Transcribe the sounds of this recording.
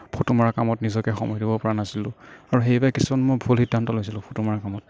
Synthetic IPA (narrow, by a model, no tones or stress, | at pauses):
pʰotumaɹakamɔtnizɔkɛxɔ̰mɔjdibɔpɔɹanasilʊ̃aɹuxejbajkisumanmojbʱulxidʱantɔlojs̬ilʊ̃pʰotumaɹakamɔt